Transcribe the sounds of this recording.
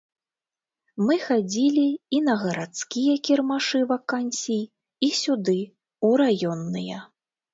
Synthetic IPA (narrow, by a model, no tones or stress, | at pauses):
mɨxad͡zʲilʲiinɐɣɐɾat̪skʲijɐkʲirmaʂɨvakanʲsʲij | isʲud̪ɨ | uɾajɔnːɨjɐ